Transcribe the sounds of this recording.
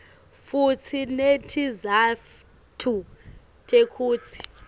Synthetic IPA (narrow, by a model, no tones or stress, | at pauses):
fut͡sʰinetʰiza | tʰu | tʰʼekʰuːt͡sʰi̥